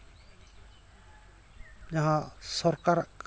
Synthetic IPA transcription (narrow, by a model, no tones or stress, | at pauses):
jɐɦãsɔɾkaɾk